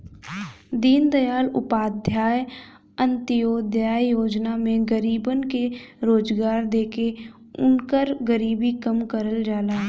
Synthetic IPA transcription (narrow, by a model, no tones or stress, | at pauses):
d̪iːnd̪əjaːlʊpaːd̪ʱjaːj | ə̃nt̪ɪjoːd̪jaːjoːd͡ʒnamẽɡəɾiːbənkeɾoːd͡ʒɡaːɾd̪eːke | ʊ̰nkəɾɡəɾiːbikəmkəɾəld͡ʒaːlaːɦ